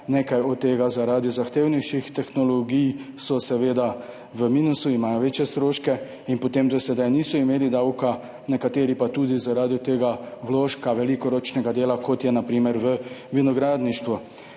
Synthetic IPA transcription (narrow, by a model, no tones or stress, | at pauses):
neːkajɔt̪ːeːɡazaɾaːd̪izaxt̪eːwniʃixt̪ɛxnɔlɔɡijsɔsɛʋeːd̪a | ʋəmiːnusuimaːjɔʋeːt͡ʃjɛst̪ɾoːʃkɛ | inpɔt̪eːmd̪ɔsɛd̪ajniːsɔimeːlid̪awka | nɛkat̪eːɾipat̪uːd̪izaɾaːd̪it̪eːɡaʋloːʃkaʋɛlikɔɾoːt͡ʃnɛɡad̪eːlakɔt̪jɛnapɾiːmɛɾʋəʋinɔɡɾaːd̪niʃt̪ʋu